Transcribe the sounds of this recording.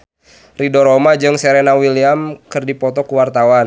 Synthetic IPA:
ridɔɾɔmad͡ʒɨŋsɛɾɛnawiliamkɨrdipɔt̪ɔkuwart̪awan

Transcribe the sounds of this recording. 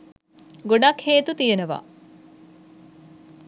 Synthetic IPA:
ɡoɖɐkheːt̪ut̪ijenəʋa̰

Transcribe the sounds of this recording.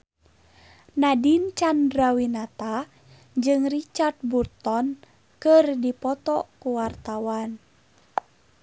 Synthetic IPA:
nadint͡ʃandɾawinat̪a | d͡ʒɨŋrit͡ʃart̪̚burt̪ɔn | kɨrdipɔt̪ɔkuwart̪awan

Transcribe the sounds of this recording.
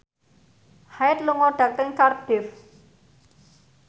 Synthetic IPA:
haɪt̪̚luŋɔɖ̥a̤k̚t̪əŋkard̪̥ɪf

